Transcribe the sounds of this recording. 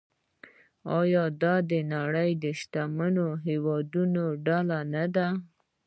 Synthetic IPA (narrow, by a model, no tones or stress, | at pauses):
ɑjɑd̪ɑd̪ənaɽəjd̪əʃt̪amənoɦewɑd̪unoɖalanad̪a